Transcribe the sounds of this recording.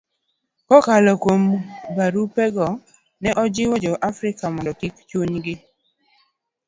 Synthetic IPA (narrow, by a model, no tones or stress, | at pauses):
kɔkalɔkombaɾupɛɡɔ | nɛʔɔd͡ʒɪwɔd͡ʒɔʔafɾɪkamɔndɔtikt͡ʃwoɲɡɪ